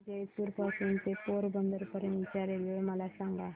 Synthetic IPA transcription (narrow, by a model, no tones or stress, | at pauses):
d͡ʒetuɾpasunt̪epoɾbənd̪əɾpəɾə̃nʋit͡ɕaɾeloməlasãŋɡa